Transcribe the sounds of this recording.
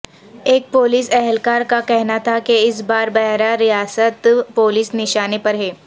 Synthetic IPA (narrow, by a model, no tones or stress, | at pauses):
eːk̚poːliːsɛɦɛlkaːɾkakɛɦnat̪ʰakeɪs̬baːɾbɛɦɾaɾijaːsət̪poːlɪːsnɪʃaːnepɐɾɦɛː